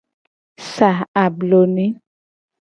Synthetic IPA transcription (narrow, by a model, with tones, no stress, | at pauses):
sa˨a˨blo˨nĩ˦